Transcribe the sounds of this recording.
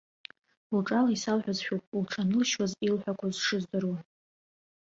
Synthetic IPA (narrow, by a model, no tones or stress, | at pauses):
lʈ͡ʂʼalaisalħʷᶣazʃᶣopʼlʈ͡ʂʰanɨlʃwazilħʷᶣakʷʰazʂɨzdaɾwa